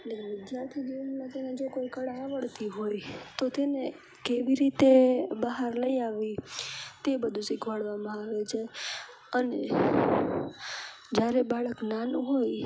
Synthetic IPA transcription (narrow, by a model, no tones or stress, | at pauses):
elekʋɪd̪jaɾt̪ʰid͡ʒinmãt̪ened͡ʒokoikəɽaaʋəɽt̪iɦojt̪ot̪ene | keʋiɾit̪ebəɦaɾləiaʋit̪ebəd̪ʱũsikʰʋaɽʋamãaʋet͡ʃʰa | əne | d͡ʒjaɾebaɭəknanũɦoj